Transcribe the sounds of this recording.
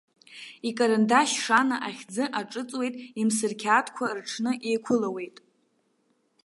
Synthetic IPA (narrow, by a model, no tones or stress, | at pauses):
ikʼaɾɨndaʃʂanaʔaχʲd͡zɨʔaʈ͡ʂʼɨt͡sʼwe̞jtʼimsɨrkʲʰaːtʰkʷʰarʈ͡ʂʰnɨʔejkʷʰʊlawe̞jtʼ